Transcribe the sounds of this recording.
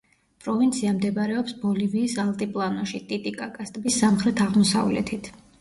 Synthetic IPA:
pʼɾɔvint̪sʰiamd̪ɛbaɾɛɔpsbɔliviːsalˠt̪ʼipʼlˠanɔʃit̪ʼit̪ʼikʼakʼast̪ʼbisːamχɾɛt̪ʰaʁmɔsa̰vlɛ̰t̪ʰit̪ʰ

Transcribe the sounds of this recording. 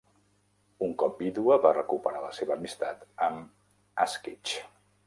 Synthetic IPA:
uŋkɔp̚biðuəβarəkupəɾaləseβəːmist̪at̪əm | askit͡ʃ

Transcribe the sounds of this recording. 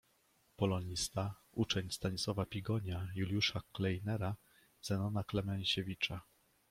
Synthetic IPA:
pɔlɔɲist̪a | ut͡ʂɛɲst̪aɲiswɔvapʲiɡɔɲajulʲjuʂaklɛjnɛɾa | z̥ɛnɔnaklɛmɛɲɕevʲit͡ʂa

